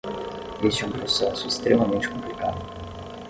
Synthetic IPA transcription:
isɛũpɾosɛsʊest̪ɾemɐmẽnt͡ʃɪ̥kõmplikad̪ʊ

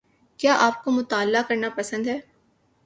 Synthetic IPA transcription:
kjaːʔaːp̚komʊt̪aːlːakɐɾnapɐsə̃nd̪ɦɛː

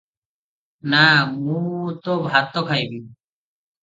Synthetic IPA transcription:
namũt̪obʱat̪ːɔkʰajbi

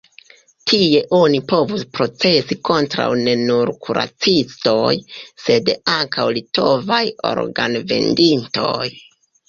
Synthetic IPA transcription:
tʰie̞ʔo̞nipo̞vuspɾo̞t͡se̞siko̞ntɾa̰wne̞nuɾkʰuɾa̰t͡sisto̞jse̞daŋkʰawlito̞vajo̞̰ɾɡa̰nve̞̰ndinto̞̰j

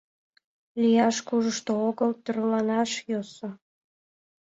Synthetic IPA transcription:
lijɑʃkuʒəʃt̪ooɣəlt̪yrlɑnɑʃjoso

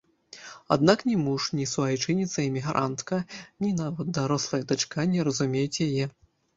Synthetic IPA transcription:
a̰d̪naknʲɛmuʂnʲisuvajt͡ʂɨnʲit̪sɐɛmʲiɣɾʔa̰nt̪kɐnʲinavɐt̪̚d̪aɾɔslˠɐjɐd̪at͡ʂkanʲɛɾɐzumʲejut͡sʲjajɛ

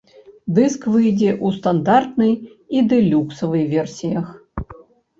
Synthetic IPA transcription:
d̪ɨskvɨjd͡zʲɛʔust̪and̪art̪nɨjid̪ɨlʲuksɐvɨjvʲɛrsʲijɐx

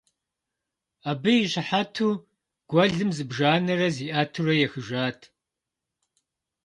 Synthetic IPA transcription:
aːbɨjiɕɪħatʰuː | ɡ̥ʷɐɮɨmzɨbʒaːnɐrɐziːʔaːtʰurɐjɛxɨʒaːtʰ

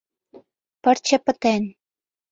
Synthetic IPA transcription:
pə̆ɾt͡ɕə̆pə̆t̪en

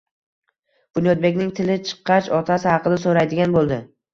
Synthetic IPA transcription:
b̥ʊnjɒd̪̚be̞kʲnɪŋt̪ʰɪlɪt͡ʃʰɨ̥qːɑt͡ʃɒt̪ʰasɪhɑqʰɨd̪asoɾajd̪ɪɡʲanbolˠd̪ɪ

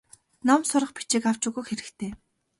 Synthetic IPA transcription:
nɔmsʊɾə̆χpi̥t͡ɕiːkaw̥t͡ɕʊːɣujxeɾɘ̆kt̪ʰeː

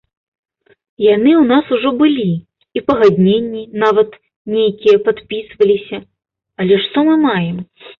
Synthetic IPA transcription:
janɨwnasuʐɔbɨlʲi | ipɐɣad̪ʲnʲenʲːinavɐt̪ | nʲejkʲijɐpat̪pʲisvɐlʲisʲɐ | ɐlʲɛʂt̪ɔmɨmajɛm

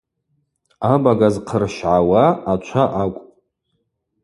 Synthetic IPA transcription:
abaɡazqʰərʃʕawaat͡ʃʷʰaʔakʷʼ

